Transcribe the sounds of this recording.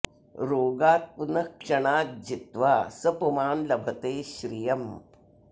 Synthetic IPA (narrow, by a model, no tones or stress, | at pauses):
ɾoːɡaːt̪̚punɐkʂɐɳaːd͡ʒit̪ʋaːsɐpumaːnlɐbʱɐt̪eːɕɾijɐm